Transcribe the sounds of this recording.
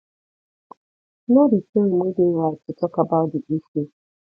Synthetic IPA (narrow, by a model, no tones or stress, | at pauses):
noditeɾimedewatʊtɔkabadibife